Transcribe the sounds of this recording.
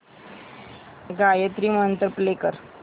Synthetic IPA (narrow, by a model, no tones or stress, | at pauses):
ɡajət̪ɾiːməənt̪əɾplekəɾ